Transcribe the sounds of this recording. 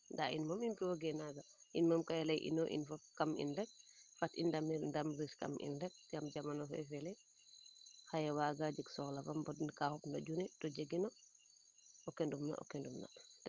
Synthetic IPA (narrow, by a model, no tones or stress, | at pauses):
ndaʔinmamimkiwaɡɛnaɡa | ʔinmamkajɛlajʔḭnɔʔḭnfakamḭndɛk̚fatindamiɾndamɾiska̰mʔḭndɛk̚tɛamd͡ʒamanɔfɛ̰fɛlɛ | xajɛwaːɡad͡ʒəksɔlafambɔdnkahɔpnɔɟunɛtɔd͡ʒeɡinɔ | ɔkendumna̰ʔɔ̰kɛndumna̰d